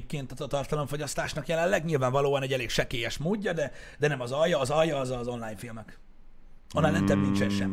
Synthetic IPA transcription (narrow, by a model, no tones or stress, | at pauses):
p̚keːnt̪ɒzɒt̪ɒrt̪ɒlo̞ɱfo̞ɟɒst̪aːʃnɒkjɛlɛlːɛɡɲilvaːɱvɒloːɒnɛɟɛleːkʃɛkeːjɛʃmoːɟːɒd̪ɛd̪ɛnɛmɒzɒjːɒːzɒjːɒːzɒzo̞nlaːjnfilmɛk | onːajnɛ̰nt̪ɛmbnint͡ʃɛnʃɛm